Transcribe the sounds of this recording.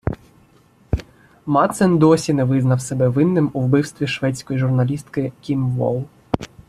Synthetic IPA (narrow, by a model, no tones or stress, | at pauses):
mɑt̪sɛnd̪ɔsʲinɛʋɪznɐwsɛbɛʋɪnːɪmuwbɪwst̪ʋʲiʃʋɛtt͡sʲkɔjiʒʊrnɐlʲist̪kɪkʲimʋɔ̰lˠ